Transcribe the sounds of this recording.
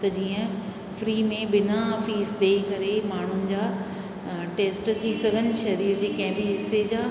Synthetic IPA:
t̪ɐd͡ʑiːə̃ | fɾiːmẽbɪnafiːsd̪eːikɐɾemaːɳ̤ʊnɪ̆d͡ʑaː | ʈeːsʈt̪ʰisɐɡʱənɪ̆ʃɐɾiːɾd͡ʑeːkɐ̃ɦɪ̃biɦɪsːed͡ʑaː

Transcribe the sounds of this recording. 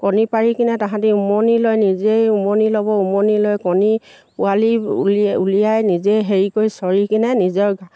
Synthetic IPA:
kɔnipaɹikinɛtãɦãtiumonilojnizejumonilɔbɔumonilojkɔni | pʊalilulijajnizejɦeɹikojsɔɹikinɛnizɔɹɡa

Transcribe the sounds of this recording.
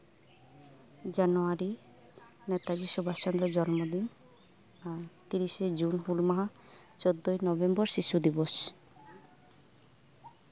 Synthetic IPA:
d͡ʒanuaɾi | nɛt̪ad͡ʒisubʱast͡ʃɔnd̪ɾɔd͡ʒɔnmod̪in | aɾt̪iɾised͡ʒunhulmaɦa | t͡ʃod̪ːojnɔbembɔɾʃiʃud̪ibɔs

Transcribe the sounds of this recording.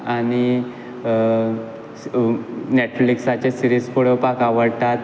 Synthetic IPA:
aɽ̃i | neʈfliksat͡ɕesiɾiskoɽəpakaʋəɽt̪at̪

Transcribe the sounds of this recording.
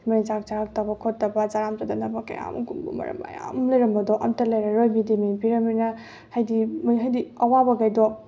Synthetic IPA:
majd͡ʒak̚t͡ʃaɾak̚tɐbɐkʰotːɐbɐd͡ʒaɾamtadanɐbɐka̰ja̰mɡumbṵmɐ̰ɾɐ̰ma̰ja̰mlɐjɾɐmbɐdɔʔɐmtɐlɐjɾɐɾojbidimibiɾɐminɐ | hajdimɦajdiɐwabɐɡajdɔ

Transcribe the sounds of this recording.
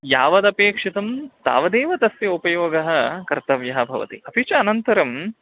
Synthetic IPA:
jaːʋɐd̪ɐpeːkʂit̪ɐmt̪a̰ːʋɐd̪eːʋɐt̪ɐsjɐupɐjoːɡɐɦɐ̆kɐɾt̪ɐʋjɐɦɐbʱɐʋɐ̰t̪ḭʔɐpit͡ʃɐːnɐnt̪ɐɾɐm

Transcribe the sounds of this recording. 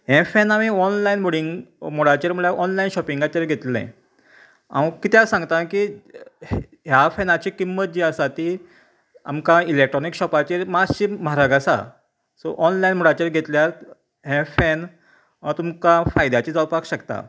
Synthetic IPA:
ɦɛ̃fɛnamiɔnlainboɽiŋɡmoɽat͡ɕeɾmuɭaʔɔnlainɕɔpiŋɡat͡ɕeɾɡʱet̪lɛ̰̃ | a̰kit̪jasãŋɡt̪aki | ɦjafɛnat͡ɕikimːət̪̚d͡ʑiəsat̪i | a̰mkailek̚ʈɾɔnikɕɔpat͡ɕeɾmaɕiːməɦaɾaɡasa̰ | sɔ̰ʔɔnlajnmoɽat͡ɕeɾɡʱet̪ljaɾ | ɦɛ̃fɛn | t̪umkafajd̪at͡ɕiːd͡zawpakɕəkt̪a̰

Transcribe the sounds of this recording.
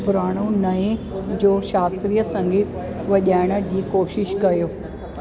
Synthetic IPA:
bʊɾaːɽ̃onɐẽd͡ʑoːʃaːst̪ɾiːjəsɐ̃ŋɡiːt̪ | ʋɐʄaːɪɽ̃ə̆d͡ʑiːkoːʃɪʃkɐjoː

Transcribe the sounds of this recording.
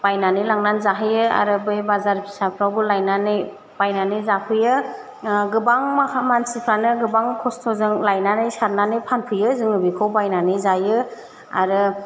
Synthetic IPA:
b̥ajnanɯlaŋnanzaɦɯjɯa̰ɾɯbɯjbazaɾpʰi̥sapʰɾawbɯlajnanɯj | b̥ajnanɯjzapʰɯjɯ | ɡɯbaŋmakʰamansipʰɾanɯɡɯbaŋkʰɔstʰɔzɯŋlajnanɯjsaɾnanɯjpʰanpʰɯjɯzɯŋɯbikʰɔwbajnanɯjzajɯ | a̰ɾɯ

